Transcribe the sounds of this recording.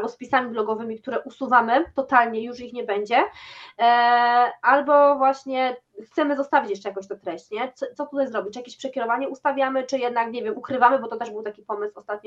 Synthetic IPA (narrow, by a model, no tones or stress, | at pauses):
bɔspʲisamʲiblɔɡɔvɘmʲik̚t̪uɾɛʔusuvamɘt̪ɔt̪alɲɛjuʂixɲɛbɛɲd͡ʑɛ | albɔvwaɕɲɛ | xt̪sɛmɘzɔst̪avʲit͡ɕjɛʂt͡ʂɛjakɔ̃ɕt̪ɔt̪ɾɛɕt͡ɕɲɛt̪sɔt̪sɔt̪ut̪ajzɾɔbʲit͡ɕjakʲeɕpʂɛkʲɛɾɔvaɲɛust̪avʲjamɘt͡ʂɘjɛd̪nakɲɛvʲjɛmukɾɘvamɘbɔt̪ɔt̪ɛʐbɘwt̪akʲipɔmɘswɔst̪at̪̚ɲ